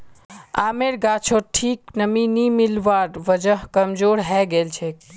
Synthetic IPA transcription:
aːmeɾɡat͡ʃʰoʈʰiːknəminimɪlʋaːɾʋəd͡ʒəɦkəmd͡ʒoːɽɦɛɡelt͡ʃʰe

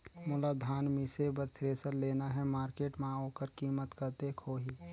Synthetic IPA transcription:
mʊlad̪ʱaːnmɪsebəɾt̪ʰɾeːsəɾleːnaɦɛmaːɾkeːʈmãoːkəɾkiːmət̪kəɾt̪ekʰoːɦiː

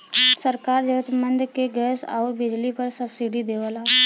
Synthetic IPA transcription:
səɾkaːɾd͡ʒəɡət̪mə̃nd̪keɡɛːsɔːɾbɪd͡ʒlipɐɾsəbsiɖid̪eːʋəla

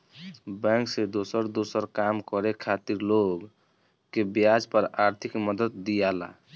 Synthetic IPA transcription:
bɛ̃ŋksed̪osəɾd̪osəɾkamkəɾekʰat̪iɾloɡ | kːebjad͡ʒpəɾaɾt̪ʰikməd̪ət̪ːijala̰

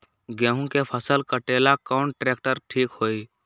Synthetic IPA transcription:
ɡɛ̃ːɦũkepʰəsəlkəʈeːlakɔːnʈɾeːk̚ʈəɾʈʰiːkhoːi

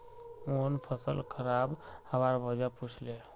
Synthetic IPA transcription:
onpʰəsə̰lkʰəɾabhəbaɾbəd͡ʒaput͡ʃʰle

